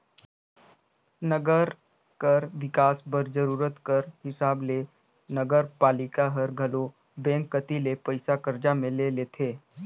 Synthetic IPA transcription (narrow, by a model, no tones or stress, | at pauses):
nəɡəɾ | kəɾʋɪkaːsbəɾd͡ʒəɾuːɾət̪kəɾɦɪsaːbleː | nəɡəɾpaːlɪkaɦəɾɡʱɐlo | bɛ̃ːkːət̪ilepəɪsakəɾd͡ʒamẽleːleːt̪ʰeː